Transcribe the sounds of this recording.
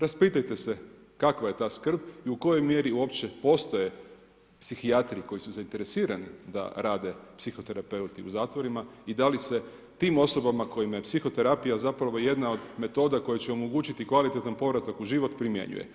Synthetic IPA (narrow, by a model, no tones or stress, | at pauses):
ɾaspiːt̪ajt̪e̞se̞ | kakʋaje̞t̪aːskr̩biuko̞jo̞jmje̞ɾiuo̞pt͡ɕe̞po̞st̪oje̞ | psixiat̪ɾiiko̞jisuzaint̪e̞ɾe̞siːɾanid̪a̰ɾʔaːd̪e̞psixo̞t̪e̞ɾape̞ut̪iṵzaːt̪ʋo̞ɾimaid̪alise̞ | t̪iːmo̞so̞bamako̞jimajepsixo̞t̪e̞ɾapijazapɾaʋo̞je̞d̪nao̞d̪me̞t̪o̞ːd̪ako̞jet͡ɕeo̞mo̞ɡuːt͡ɕit̪ikʋalit̪et̪anpo̞ʋɾat̪akuʒiʋo̞t̪pɾimje̞̰ɲṵjḛ